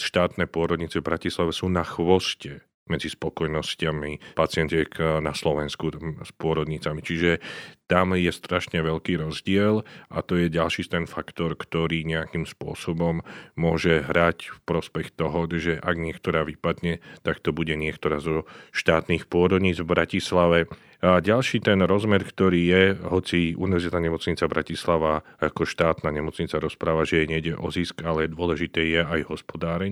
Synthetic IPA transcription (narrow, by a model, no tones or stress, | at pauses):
ʃt̪aːt̪nɛːpʊɔɾɔd̪ɲit͡sɛvbɾacislaʋɛsuːnaxʋɔscɛ | mɛd͡zispɔkɔjnɔscamipat͡sɪɛnt̪ɛknaslɔʋɛnskuspʊɔɾɔd̪ɲit͡samit͡ʃiʒɛt̪amjɛst̪ɾaʃɲɛʋɛʎkiːɾɔzɟɪɛlʔat̪ɔjɛɟalʃiːst̪ɛnfakt̪ɔɾkt̪ɔɾiːɲɛakimspʊɔ̰sɔbɔmːʊɔʒɛɦɾacfpɾɔspɛxt̪ɔɦɔʒɛʔaɡɲɪɛkt̪ɔɾaːʋipad̪ɲɛt̪akt̪ɔbuɟɛɲɪɛkt̪ɔɾaːzɔʃt̪aːt̪niːxpʊɔɾɔd̪ɲiːd͡zvbɾʔacislaʋɛ | aɟalʃiːt̪ɛnɾɔzmɛɾkt̪ɔɾiːjɛɦɔt͡siṵniʋɛɾzit̪aːɲɛmɔt͡sɲit͡sabɾacislaʋaakɔʃt̪aːt̪naːɲɛmɔt͡sɲit͡saɾɔspɾaːʋaʒɛjɛɲɛɟɛʔɔziskalɛd̪ʊɔlɛʒit̪ɛːjɛajɦɔspɔd̪aːɾɛɲ